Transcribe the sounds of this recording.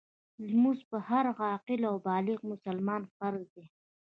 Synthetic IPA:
lmuspəhaɾɣɑqɪlawbɑːlɪqmʊsalmɑːnfaɾk̚d̪e

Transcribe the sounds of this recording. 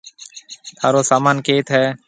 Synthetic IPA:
t̪ʰaːɾoːsaːmaːnkeːt̪ʰɦɛː

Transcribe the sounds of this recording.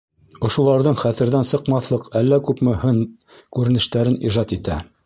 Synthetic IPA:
ŏʃŭlˠɑɾðɤɴχæθɘ̆ɾðænsɤ̆qmɑθlˠɤqælːækʉpmɵ̆hɘn | kʉɾɘ̆nɘ̆ʃt̪æɾɘniʒɑt̪it̪æ

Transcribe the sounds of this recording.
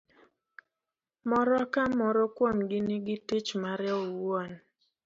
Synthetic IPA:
mɔɾɔakamɔɾɔkwomɡɪnɪɡɪtit͡ʃmaɾɛɔwɔn

